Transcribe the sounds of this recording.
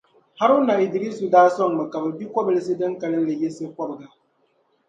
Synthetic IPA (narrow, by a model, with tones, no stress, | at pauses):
ha˦ɾna˨ɪ˨dɪ˨ɾi˦su˨daː˦sɔ˦ŋ˨ma˨ka˨bɛ˨bi˦kʷɔ˦bɨ˨lɨ˦s̬ɨ˦dɨ˦ŋka˨lɨ˦n˦lɨ˨jɪ˦sɨ˦kɔ˦bɨ˨ɡa˨